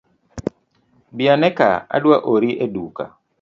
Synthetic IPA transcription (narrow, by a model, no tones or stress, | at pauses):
bianɛka̰a̰dwaʔoɾiʔeduka̰